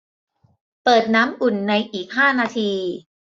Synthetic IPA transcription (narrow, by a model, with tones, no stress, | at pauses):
pɤː˨˩t̪̚naː˦˥mʔu˨˩nːa˧jʔiː˨˩k̚ɦaː˥˩naː˧t̪ʰiː˧